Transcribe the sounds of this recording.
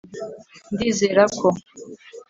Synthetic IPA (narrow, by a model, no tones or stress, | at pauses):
ndizeɾakʰo